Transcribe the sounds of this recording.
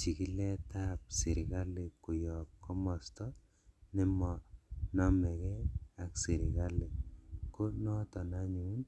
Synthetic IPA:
t͡ʃi˨ki˦lɛ˦ta˦p̚si˨ɾɪ˨ka˦le˨ku˨jɔ˨p̚kɔ˦mɔ˨stɔ˦ | nɪ˦mɔ˨nɔ˦mɛ˨kɛ˦a˨ksi˨ɾi˨ka˦le˨ko˦nɔ˦tɔ˨na˦ɲu˨˦n

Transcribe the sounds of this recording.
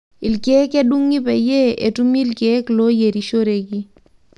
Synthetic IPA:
i˨lke˦ke˦ɗu˦ŋːi˦pɛ˨je˦e˨tu˦mi˦lke˨˦klo˦je˨ɾi˨ʃo˦ɾe˨ki˦

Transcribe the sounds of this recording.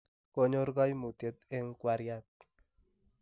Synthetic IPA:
ko˨ɲo˦ɾɡɔ˦jmu˨t̪e˦t̪e˦ŋkwa˦ɾja˦t̪̚

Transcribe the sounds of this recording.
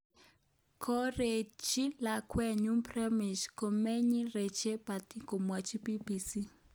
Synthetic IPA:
kʰo˦re˨t͡ʃi˦la˨kwɛ˨ɲu˦mprɛ˦mi˨ʃko˨me˦ɲi˦re˨t͡ʃe˦pa˨ti˦ko˨mwa˨t͡ʃi˦pi˦bi˨si˦

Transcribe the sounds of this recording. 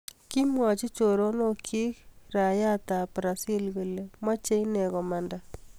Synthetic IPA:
ki˦mwɔ˨t͡ʃi˦t͡ʃo˨ɾo˦no˦kʰi˦kɾa˨ja˦ta˨pɾa˨si˦lɣe˨le˨mwa˦t͡ʃe˦i˦nɛ˨ɣɔ˨ma˨nda˨

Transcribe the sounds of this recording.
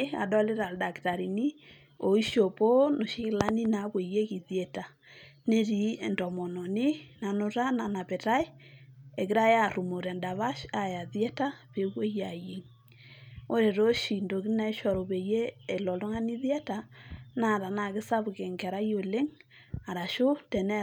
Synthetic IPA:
a̰˨dɔ˦le˦ɾa˨lda˨kta˨ɾi˨ni˦ | o˨i˦ʃo˨po˦no˨ʃi˦kla˦ni˦na˨˦βwe˨je˦ki˨ðjɛ˦˨ta˨ | ne˦ɾi˨ndɔ˨mɔ˨nɔ˨nɪ˦na˨no˦ɾa˦na˨na˨pe˨ɾa˦e˦e˨ki˦ɾa˦ja˦˨ɾu˨mo˨ɾɛ˨nda˨βa˦ʃa˨ja˨ðjɛ˦ta˦βe˨ɣwe˦ja˨je˨ŋ | o˦ɾe˨ɾo˦ʃi˨ndo˨ki˦na˦e˦ʃɔ˨ɾo˨βe˨jeː˦˨lɔ˨lo˦ŋa˦ni˦ðjɛ˦ta˨na˨ɾa˨na˨ɣe˦sa˦βu˨ke˨ŋkɛ˨ɾa˦jo˨le˦ŋ | a˨ɾa˨ʃo˦tɛ˨nɛ˦

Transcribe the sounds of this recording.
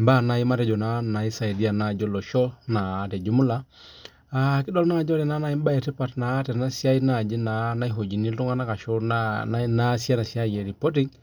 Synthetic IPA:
mba˦˨na˨i˦ma˦tɛ˨d͡ʒɔ˨na˨na˨i˦sa˨i˨di˦a˨na˨d͡ʒɔ˦lɔ˨ʃɔ˦na˨tɛ˨d͡ʒu˦mu˦la˦ | a˨kɪ˦dɔ˦lna˦˨d͡ʒɔ˦tɛ˨na˦na˦i˦m˦ba˦ɛ˨tɛ˦pa˦tna˨˦tɛ˨na˦si˦a˦i˦na˦˨d͡ʒi˦na˨na˦i˦ɦo˨d͡ʒi˨ni˦ltu˦ŋa˦na˦ka˨ʃɔ˦naa˦na˦sja˦na˨si˦a˦˨jɛ˨ɾi˨po˦t̬i˦ŋ

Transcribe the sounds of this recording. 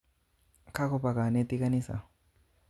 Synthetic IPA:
kʰa˦kɔ˨pa˨ka˨ne˦t̪i˦ka˦ni˦sa̰˨

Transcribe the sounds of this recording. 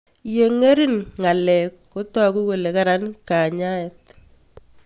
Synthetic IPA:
je˨ŋe˦ɾi˦nŋa˨lɛ˨kːo˦twa˦ku˦ke˨le˨ka˦ɾa˦nka˨ɲa˦ɛ˨t

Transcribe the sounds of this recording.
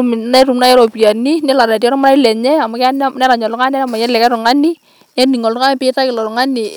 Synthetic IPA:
m˨na˦ɾu˨mna˦ɛ˦ɾɔ˨pi˨a˨ni˦nɛ˦la˨ɾa˨tɔ˦ɾɔ˦maɾa˦i˦lɛ˨ɲɛ˦a˨ma˨kn˦nɛ˦ɾa˨ɲɔ˨lʊ˦ŋa˦n˦a˦na˦˨ma˨jɛ˦lɛ˨kɛ˦ɾʊ˨ŋa˦ni˦ | nɛ˦ni˨ŋɔ˨lʊ˦a˦n˦pɪ˦ta˦kɪ˨lɔ˨ɾʊ˨ŋa˦nɪ˨

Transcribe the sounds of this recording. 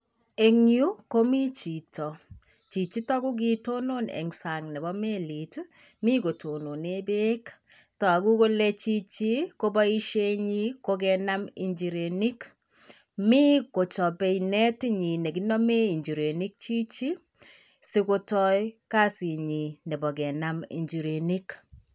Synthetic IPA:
e˨ŋju˦ko˦mi˦t͡ʃi˨tɔ˨ | t͡ʃi˨t͡ʃi˦tɔ˦ku˦k̬i˦to˦no˦nɛ̰˨ŋsa˨ŋnɛ˨bɔ˦me˦li˨tmi˦ko˨to˨no˨ne˦be˦ktɔ˨a˨ku˦ko˦le˦t͡ʃi˦t͡ʃi˦ko˦bɔ˦i˦ʃe˦ɲi˦ko˦k̬ɛ˨na˦mḭ˨ɲd͡ʒi˨ɾe˨ni˦k | mi˦ko˨t͡ʃɔ˨be˨inɛ˦ti˦ɲi˨nɛ˨ɡi˦nɔ˦me˦i˨ɲd͡ʒi˨ɾe˨ni˦k̚t͡ʃi˦t͡ʃi˦ | si˦ko˦tɔ˦jka˦si˨ɲi˨nɛ˨bɔ˨ɡɛ˨na˦mḭ˨ɲd͡ʒi˨ɾe˨ni˦k

